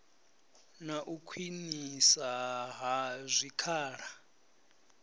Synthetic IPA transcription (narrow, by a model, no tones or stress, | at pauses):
naʔukʰwinisaɦazʷikʰaːɺa